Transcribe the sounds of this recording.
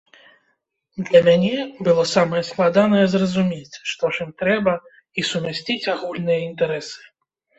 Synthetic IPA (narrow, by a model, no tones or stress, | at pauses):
d̪lʲɐmʲanʲɛbɨlˠɔsamɐjɛsklˠad̪anɐjɛzrɐzumʲet͡sʲʂt̪ɔʂɨmt̪ɾɛbɐ | isumʲasʲt͡sʲit͡sʲaɣulʲnɨjɐint̪ɛɾɛsɨ̥